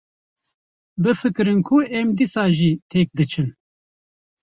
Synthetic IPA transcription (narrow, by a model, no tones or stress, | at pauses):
bɨfɨkɨɾɨnkʰuɛmd̪isɑːʒiːt̪ʰɛk̚d̪ɨt͡ʃʰɨn